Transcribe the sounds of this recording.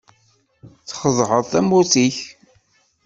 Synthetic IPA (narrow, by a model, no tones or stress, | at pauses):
θχəðˤhəðˤθæmuθiç